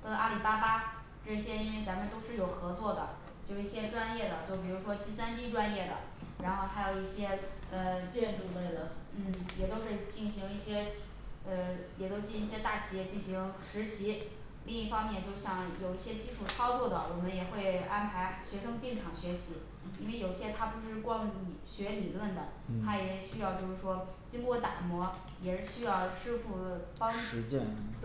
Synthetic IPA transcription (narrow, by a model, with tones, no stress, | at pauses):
t̪ɤ˥˧ʔa˥li˨˩pa˥pa˥ | ʈ͡ʂɤ˥˩ɕjɛ˥i˥nwe˥˩ɪt͡sa˧˥mə˧nt̪o˥ʊʂɻ̩˥˩jo˨˩ʊxɤ˧˥t͡swɔ˥˩d̪ə̰˩ | t͡ɕjʊ˩i˥˩ɕjɛ˥ʈ͡ʂwa˥njɛ˥˩d̪ə˩t͡ɕjo˥˩ʊp̬i˨˩ɻu˧˥ʂwɔ˥t͡ɕi˥s̬wa˥nt͡ɕi˥ʈ͡ʂwa˥njɛ˥˩d̪ə̰˩ | ɻa˧˥nxo˥˩ʊxa˧˥ɪjo˨˩ʊi˥˩ɕjɛ˥ə˧t͡ɕjɛ˥˧nʈ͡ʂu˥˧le˥˩ɪd̪ə˩n̩˥˩jɛ˨˩t̪o˥ʊʂɻ̩˥˧t͡ɕi˥˩nɕi˧˥ŋi˥˩ɕjɛ˥ | ə˧jɛ˨˩t̪o˥ʊt͡ɕi˥˩i˧˥i˥˩ɕjɛ˥t̪a˥˩t͡ɕʰi˧˥jɛ˥˧t͡ɕi˥˩ŋɕi˧˥ŋʂɻ̩˧˥ɕi˧˥ | li˥˧ŋi˥˩fɑ˥ŋmjɛ˥˧nt͡ɕjo˥˧ʊɕjɑ˥˩ŋjo˨˩ʊi˥˩ɕjɛ˥t͡ɕi˥˧ʈ͡ʂʰu˥˩ʈ͡ʂʰɑ˥ʊt͡swɔ˥˩d̪ə˩wɔ˨˩mə˦njɛ˨˩xwe˥˩ɪa˥npʰa˧˥ɪɕɥɛ˧˥ʂɤ˥ŋt͡ɕi˥˩nʈ͡ʂʰɑ˨˩ŋɕɥɛ˧˥ɕi˧˥ | ḭ˥nwe˥˩ɪjo˨˩ʊi˧˩ɕjɛ˥t̪ʰa˥pu˥˧ʂɻ̩˥˩kwɑ˥ŋni˨˩ɕɥɛ˧˥li˨˩lwə˥˩nd̪ə˩t̪ʰa˥jɛ˨˩ɕy˥jɑ˥˧ʊt͡ɕjo˥˧ʊʂɻ̩˥˩ʂwɔ˥ | t͡ɕi˥ŋkwɔ˥˩t̪a̰˨˩mwɔ˧˥ | jɛ˨˩ʂɻ̩˥˩ɕy˥jɑ˥˩ʊʂɻ̩˥fu˥˩fɑ˥ŋ̩˧˥t͡ɕɛ̰˥˧t̪